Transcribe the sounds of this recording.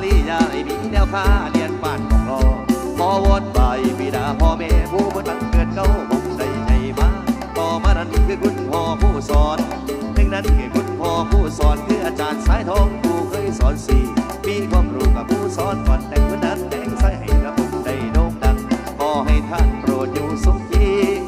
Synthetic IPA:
liː˧˩jaː˧˩ʔa˨˩jmiː˧˨nɛː˧˩˨wk̪ʰaː˧˩ni˧ənpaː˧˩nkʰɔ˨˧˦ŋkɔː˧˩ | pʰɔː˧˦wɔː˧˥t̪̚pa˨˩jbiː˧˩daː˨˦pʰɔː˧˦mɛː˧˩pʰuː˧˩pʰɔː˧t̪a˧˩ŋkɯ˨˧ən̚ka˧˩whʰo˨˧˩ŋt͡ɕa˧˩jt͡ɕa˨˩jmaː˧˩ | t̪ɔː˧˩maː˧˩na˧˥n˨kʰɯː˧˩ku˧˥npʰɔː˧˦pʰuː˧˩sɔː˨˦n | dɯ˧˩ŋna˧˥˨nkʰɯː˨˩ku˧˥˩n̚pʰɔː˧pʰuː˧˩sɔː˨˦nt̪ʰɯː˧˩ʔaː˧t͡ɕaː˨˦nsaː˨˧˥jt̪ʰɔː˧˥ŋkʰuː˧˩kʰɤː˧˥˨jsɔː˨˦nsiː˨˩ | miː˧˥kʰwaː˧mɾuː˨˧˩ka˨˩p̚kʰuː˧˩sɔː˨˦nkɔː˨˦nt̪ɛ˨˧ŋkʰo˧˥nːa˧˥˨nːɛ˧˥˩ksa˧˩jha˨˩jpɾa˧˥po˧˩da˧˩jdoː˧˩k̚da˧˥ŋ̚ | kɔː˨˧˩ɦa˧˩jt̪ʰa˧˩npɾoː˨˩ət̪̚juː˧su˧˩kt̪ʰiː˧˩

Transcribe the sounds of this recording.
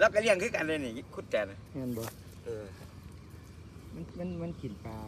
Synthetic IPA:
la˧˩wka˧li˧˥˩əŋkʰɯː˧˩˨ka˨nlaː˧niː˧˩˧kʰu˧˥˩t̪̚t͡ɕɛː˨˩na˧ɯ˧˥˨nbɔ˧˩ | ʔɤː˧˩ | ma˧˥˨nma˧˥˨nma˧˥˨nkʰi˨˩˦npaː˧

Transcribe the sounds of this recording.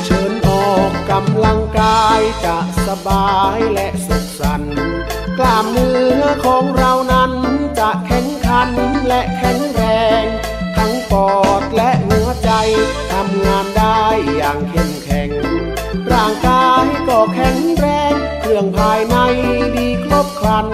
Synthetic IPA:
t͡ɕʰɤ˨˦nʔɔː˨˩k̚ka˧mla˧ŋkaː˧jt͡ɕa˧˩ʔsa˧baː˧jlɛ˧˥ʔso˨˧˦tpsa˧n | klaː˧˩mːɯː˧əkʰɔː˨˦ŋɾa˧wna˦˥nt͡ɕa˧˩ʔkʰɛ˨˧˥ŋkʰa˧˥nlɛ˧˥ʔkʰɛ˨˩˥ŋɾɛː˧ŋ | t̪ʰa˧˥ŋpɔː˨˩t̪̚lɛ˧˥ʔhu˨˦ɐt͡ɕa˧j | t̪ʰa˧m˧ŋaː˧ndaː˧jːaː˨˩ŋkʰe˧˩mkʰɛ˨˩ŋ | ɾaː˧˩ŋkaː˧jkɔː˧˩kʰɛ˨˩ŋɾɛː˧ŋ | kʰɯ˧˩əŋpʰaː˧jna˧jwiː˧˥kʰɾo˦˥p̚kʰla˧n

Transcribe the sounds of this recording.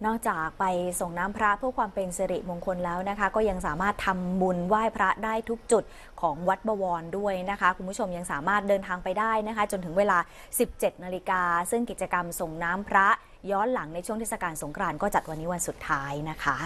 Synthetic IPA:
nɔː˥˩k̚t͡ɕaː˨˩k̚pa˧jso˨˩ŋnaː˦˥mpʰɾa˦˥pʰɯ˥˩əkʰwaː˧mpe˧nse˧ɾḭ˨˩ʔmo˧ŋkʰo˧nlɛː˦˥wna˦˥kʰa˦˥kɔː˥˩ja˧ŋsaː˨˩˦maː˥˩t̪ʰːa˧mbu˧nwaː˥˩jpʰɾa˦˥daː˥˩jt̪ʰu˦˥k̚t͡ɕu˨˩t̪̚ | kʰɔː˩˦ŋwa˦˥t̪̚bɔː˧wɔː˧ndu˥˩əjna˦˥kʰa˦˥kʰu˧npʰu˥˩o˧mja˧ŋsaː˨˦maː˥˩t̪̚dɤː˧nt̪ʰaː˧ŋpa˧jdaː˥˩jna˦˥kʰa˦˥t͡ɕo˧nt̪ʰɯ˩˦ŋweː˧laː˧ | si˨˩p̚t͡ɕe˨˩t̪̚naː˧li˧kaː˧sɯ˥˩ŋki˨˩t̪̚t͡ɕa˧ka˧mso˨˩ŋnaː˦˥mpʰɾa˦˥ʔ | jɔː˦˥nla˨˩˦ŋna˧jt͡ɕʰu˥˩ŋtʰeː˥˩sa˧kaː˧nso˩˦ŋkʰɾaː˧nkɔː˥˩t͡ɕa˨˩t̪̚wa˧nːiː˦˥wa˧nsu˨˩t̪ʰːaː˦˥jna˦˥kʰa˦˥

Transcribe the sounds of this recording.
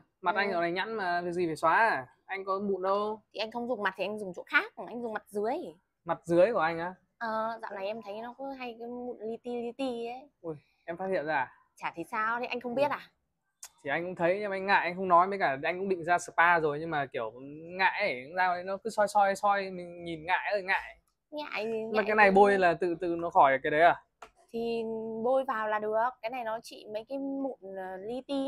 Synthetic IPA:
ma˨t̚ʔa˧jŋʔə˨˩na˨˩jɲa̰˧˥nmaː˨˩vi˨˩zi˨˩ve˨˩swaː˨˦˧ | ʔa˧jŋ̟kɔ˨˦ɓṵ˧˨nɗə˧wt̪ʰi˨˩ʔa˧jŋ̟xə˧wŋ͡mzʊ˨˩ŋ͡mma˨˩t̚t̪i˨˩ʔa˧ŋzʊ˨˩ŋ͡mt͡ɕo̰˧˥xaː˦˥k̚ːŋʔa˧jŋ̟zʊ˨˩ŋ͡mma˨˩t̚zɨ˨˦əj | ma˨˩t̚zɨ˨˦əjku˧˩əʔa˧jŋ̟ʔaː˨˦ | ʔəː˨˩za̰ː˧˨wna˨˩jʔɛ˧mt̪ʰə˨˦jɲ˧nɔ˨˦kɨ˨˦ɦa˧jkmṵ˧˨nli˧t̪i˧li˧t̪i˧ə˨˦ʔu˧˩j | ʔɛ˧mfaː˦˥t̚hḭ˧˨ənzaː˧˩ | t͡ɕaː˧˩t̪ʰi˨˦saː˧wt̪ʰi˨˩ʔa˧jŋ̟xə˧wŋ͡mɓi˦˥ət̚ʔaː˨˩ | t̪ʰi˨˩ʔa˧jŋ̟kʊ̰˧˥ŋ͡mt̪ʰə˨˦jɲ˧mʔa˧jŋ̟ŋa̰ː˧˨jʔa˧jxə˧wŋ͡mnɔ˨˦jɓə˨˧˦jkaː˧˩˨ʔa˧jŋ̟kʊ˧˥ŋ͡mɗḭ˧˨ŋ̟zaː˧sɨ˨˩paː˧zo˨˩jɲɨ˧ŋmaː˨˩ki˧˩əwŋa̰ː˧˨jə˨˩˧zaː˧˨ə˨˦jnɔ˨˦kɨ˨˦sɔ˧jsɔ˧jsɔ˧jmï˨˩ŋ̟ɲi˨˩nŋa̰ː˧˨jʔəː˧˩jŋa̰ː˧˨j | ŋa̰ː˧˨jaː˨aː˨˦na˨˩jɓo˧jlaː˨˩t̪ɨ̰˧˨t̪ɨ̰˧˨nɔ˨˦xɔ˧˩jə˨˩ka˨˦ɗə˨˦jaː˨˩ | t̪ʰi˨˩ɓo˧jvaː˨˩wlaː˨˩ɗɨ˨˩ək̚ːaː˨˦jna˨˩jnɔ˨˦t͡ɕḭ˧˨mə˨˦jkaː˨˦jmṵ˧˩nː˨˩li˧t̪i˧

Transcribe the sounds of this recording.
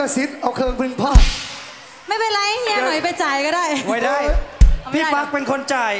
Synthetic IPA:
ɯ˥˩si˦˥t̪̚ʔa˧wkʰɤː˧ŋpʰɯ˧ŋpʰɔː˥˩ | ma˥˩jpe˧nlaː˧˥ja˧˥ŋi˧nɔ˨˩˦jpa˧jt͡ɕa˨˩jkɔː˥˩daː˥˩jwa˥˩jdaː˥˩jpʰiː˦˥˩pa˦˥k̚pe˧nkʰo˧nt͡ɕa˧j

